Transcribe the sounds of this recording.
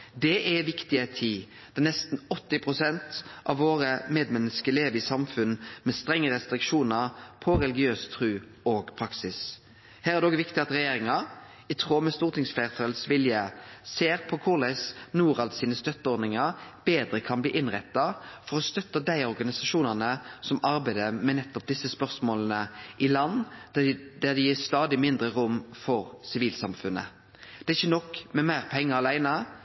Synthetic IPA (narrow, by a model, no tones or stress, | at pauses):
d̪ɛʔɛʋɪkt̪ɪət̪ʰiː | d̪̥ɑnɛst̪nɔt̪ːɪpʰʁʊsɛnt̪ʔɑʋʋoːʁəmeːd̪mɛnːəskəleːʋəɾɪsɑmfʉnmɛst̪ɾɛŋːəɾɛst̪ɾɪkʂuːnəʁpʰɔɾɛlɪɡɪøːst̪ʰɾʉː | oːɡpʰɾɑksɪs | hæːɾæʁd̪ɛoːɡʋɪkt̪ɪɑt̪ɾɛjeːɾɪŋɑ | ɪt̪ʰʁoːmɛst̪uːʁt̪ɪŋsflæɪʁt̪ʰøːlsʋɪljəseːɾpʰɔkʰʊʁlæɪsnuːɾɑlt̪siːnəst̪œt̪ːəɔːɾd̪nɪŋɑɾb̥eːd̪ɾəkʰɑnbliːʔɪnʁɛt̪ːɑfɔʁɔst̪œt̪ːəd̪æɪɔʁɡɑnɪsɑʂuːnənəsɔmɑɾbæɪd̪əmɛnɛt̪ːɔp̚d̪ɪsːəspœʁsmoːlənəʔɪlɑnː | d̪æd̪ɪjiːst̪ɑːd̪ɪmɪnd̪ɾəʁʊmfɔɾsɪʋiːlsɑmfʉnə̰ | d̪̥ɛːɪçːənɔkmɛmæɪʁpʰɛŋːəɑlæɪnə